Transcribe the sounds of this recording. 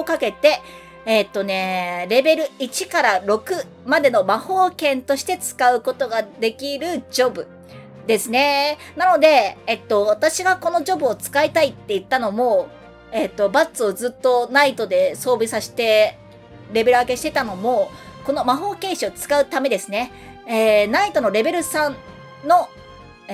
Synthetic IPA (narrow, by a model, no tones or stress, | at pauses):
okake̞t̪e̞ | t̪ːo̞ne̞ɾe̞be̞ɾɯ̟it͡ɕikaɾaɾo̞kɯ̟ | mad̪e̞no̞maho̞ːkẽ̞nt̪o̞ɕi̥t̪e̞t͡sɨ̥kaɯ̟ko̞t̪o̞ɡad̪e̞kʲiɾɯ̟d͡ʑo̞bɯ̟ | d̪e̞sɨne̞nano̞d̪e̞ːt̪ːo̞at̪aɕiɡako̞no̞ʑo̞bɯ̟o̞t͡sɨ̥kait̪ait̪ːe̞ɯ̟t̪ːano̞mo̞ | et̪ːo̞bat͡sɨo̞zɨt̪ːo̞nait̪o̞d̪e̞so̞ːbʲisaɕi̥t̪e̞ | ɾe̞be̞ɾɯake̞ɕi̥t̪e̞t̪ano̞mo̞ko̞no̞maɦo̞ːkẽ̞ɰ̃ɕio̞t͡sɨ̥kaɯ̟t̪ame̞d̪e̞sɨne̞ | eːnait̪o̞no̞ɾe̞be̞ɾɯ̟sãn | no̞